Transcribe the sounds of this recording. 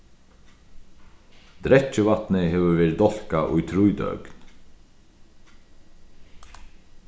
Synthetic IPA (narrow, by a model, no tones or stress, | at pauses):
d̪̥ɾɛt͡ʃːəvat̪nɪɦɛːvəvɛːɾɪd̪ɔl̥kaʔʊ̰jt̪ʰɾʊjd̪œ̰kn